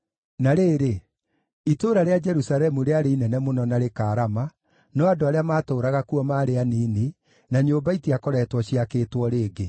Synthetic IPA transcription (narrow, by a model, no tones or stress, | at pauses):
naɾeːɾe | itoɾaɾead͡ʒɛɾusaɾɛmuɾeaɾeinɛnɛmonɔnaɾekaːɾama | nɔadoaɾeamaːtoːɾaɣakuɔmaːɾeaniːni | naɲoːmbaitiakɔɾɛːtwɔɕiakeːtwɔɾeːɡe